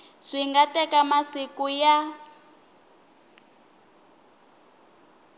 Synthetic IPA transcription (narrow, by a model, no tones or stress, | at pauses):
ʂiŋɡatɛkamasikuja